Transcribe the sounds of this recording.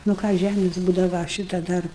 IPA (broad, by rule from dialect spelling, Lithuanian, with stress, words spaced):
nʊ ˈkɑː ˈʒʲæmʲeːs ˈbuːdɐʋɐ ˈʃʲɪtɐ ˈdɐr